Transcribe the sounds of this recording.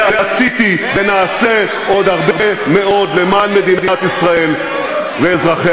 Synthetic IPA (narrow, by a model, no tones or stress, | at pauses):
easit̪ive̞naːse̞ | ʔo̞d̪haʁbeʁeme̞o̞d̪le̞manme̞d̪inad̪iat̪isʁae̞l | veːzʁaχe